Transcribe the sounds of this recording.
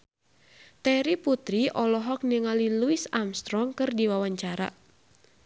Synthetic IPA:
t̪ɛɾiput̪ɾiʔɔlɔɦɔk̚niŋaliluisamst̪ɾɔŋkɨrdiwawaɲt͡ʃaɾa̰

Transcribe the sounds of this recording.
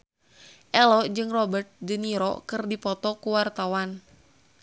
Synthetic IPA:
ʔɛlɔd͡ʒɨŋrɔbərt̪̚dəniɾɔ̰kɨrdipɔt̪ɔkuwart̪awan

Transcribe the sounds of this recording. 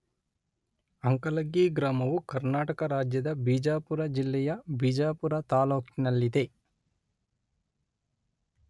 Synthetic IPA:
ɐŋkɐlɐɡiːɡɾaːmɐʋukɐɾnaːʈɐkɐɾaːd͡ʒjɐd̪ɐbiːd͡ʒaːpuɾɐd͡ʒilːɛjɐbid͡ʒaːpuɾɐt̪aːloːkinɐlːid̪e

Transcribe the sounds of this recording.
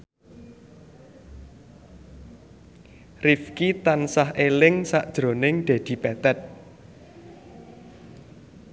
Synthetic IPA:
rifkit̪ansahʔelɪŋsaʔd̥ʒ̥ɾo̤nɪŋɖ̪̥e̤d̪̥i̤pɛt̪ɛt̪̚

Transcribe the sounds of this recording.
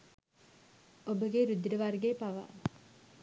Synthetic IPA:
obəɡeɾud̪ːiɖəʋarɡeːpaʋa̰

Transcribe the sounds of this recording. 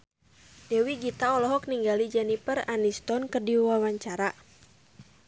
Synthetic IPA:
dɛwiɡit̪aɔlɔɦɔk̚niŋɡalid͡ʒɛnipəranist̪ɔnkərdiwawaɲt͡ʃaɾa

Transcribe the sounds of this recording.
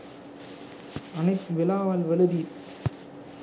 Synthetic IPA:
ɐnɐɪt̪ʋɪlaːʋaːlʋɛlɯði

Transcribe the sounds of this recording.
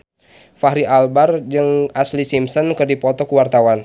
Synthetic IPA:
faɦɾiʔalbard͡ʒɨŋaslisimsɔnkɨrdipɔt̪ɔkuwart̪awan

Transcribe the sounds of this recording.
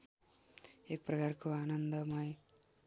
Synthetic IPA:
ek̚prʌkarkoanʌnd̪ʌmʌj

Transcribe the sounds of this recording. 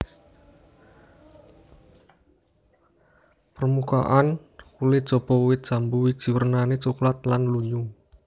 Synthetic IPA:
pərmuka̰ʔan | kulɪ̥ʒ̥ɔ̤bɔwɪt̪̚d̥ʒ̥a̤mbuwi̥ʒ̥i̤wərnanit͡ʃuklat̪̚lanluɲu

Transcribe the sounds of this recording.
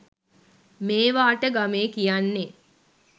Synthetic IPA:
meːʋaːʈəɡameːkijanːe

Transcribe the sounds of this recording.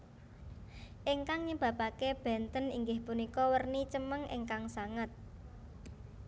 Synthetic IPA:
ʔiŋkaŋɲəb̥a̤pakeb̥ɛ̤nt̪ənḭŋɡɪhpunikɔwərnit͡ʃəməŋḛŋkaŋsaŋət̪̚

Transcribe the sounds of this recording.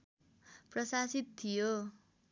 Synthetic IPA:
prʌsasit̪̚t̪ʰːijo

